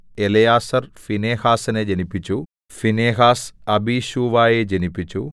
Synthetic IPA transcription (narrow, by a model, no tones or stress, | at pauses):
elɐjaːsɐrfineːhaːsɐned͡ʑɐnipːit͡ɕːu | fineːɦaːsɐbiːɕuːʋaːjeːd͡ʑɐnipːit͡ɕːu